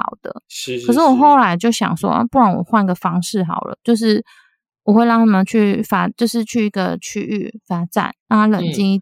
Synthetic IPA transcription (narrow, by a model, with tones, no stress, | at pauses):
ɑ̰˨˩ʊd̪̥ə̰˦kʰə˨˩ʂ̬̩˥˩wɔ˨˩xo˥˩ʊla˧˥ɪt͡ɕjo˥˩ʊɕjɑ̰˨˩ŋʂwɔ̰˦a̰˥˧pu˥˩ɻa˥˩nwɔ̰˨˩xwa˥˩ni˧˥ɡə˨fɑ˥ŋʂɻ̩˥˩xɑ˨˩ʊlə̰˦t͡ɕjo˥˧ʊʂ̬ɻ̩˥˩ | wɔ˨˩xwe˥˩ɪlɑ˧˥ŋnʰə˨˩mə˨˩t͡ɕʰy˥˩fa˥t͡ɕjo˥˧ʊʂɻ̩˥˧t͡ɕʰy˥˩i˧˥ɡə̰˧t͡ɕʰy˥ʔy̰˥˩fa˥ʈ͡ʂa̰˨˩˦nna˥˧a˥lə̰˨˩ŋt͡ɕi˥˧